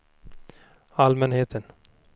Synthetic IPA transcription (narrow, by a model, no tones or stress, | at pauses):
almɛnheːt̪ʰən